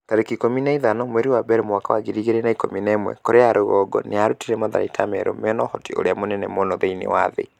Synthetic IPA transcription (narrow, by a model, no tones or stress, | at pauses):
kaɾekikominaiðanɔmwɛɾiwabɛɾemwakawaɣiɾiɣeɾɛnaikominaːmwɛ̰koɾʔeaɾoɣɔɡɔ̰neaɾutiɾɛmaða̰ɾḭtʰamɛɾo̰mɛnɔhɔtio̰ɾeamonɛnɛmonɔðeinḛwa̰ðḛ